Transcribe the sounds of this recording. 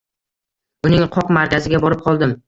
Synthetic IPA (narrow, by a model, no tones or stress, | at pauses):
ʊnɪŋqʰɒqmaɾkʲʰazɪɡʲabɒɾɪp̚qʰɒlˠd̪ɪm